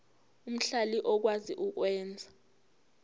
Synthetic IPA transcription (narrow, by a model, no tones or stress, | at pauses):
um̩ɬaliʔɔk̬waziʔuk̬wɛːnd͡zʱa